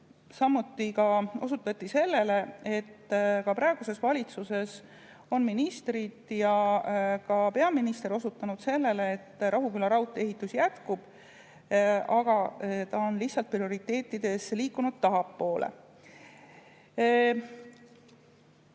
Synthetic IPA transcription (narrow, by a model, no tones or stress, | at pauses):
sɑmːut̪ːˑikɑo̞̰sut̪ːˑɑt̪ːise̞lːe̞lee̞t̪ːkɑpɾɑe̞ɡ̥use̞svɑlʲit̪suse̞s | o̞nminist̪rid̪̥jɑkɑpe̞ɑminist̪e̞ɾo̞sut̪ːˑɑnud̪̥se̞lːe̞leet̪ːrʔɑɦukylːɑɾɑut̪ːˑe̞ɦit̪ːˑusjæt̪kub̥ | ɑɡ̥ɑt̪ɑonlihsɑlt̪̚prio̞ɾit̪ːˑe̞ːt̪ːˑid̪̥e̞sliːkːunud̪̥̚t̪ɑɦɑpːo̞ːlʔḛ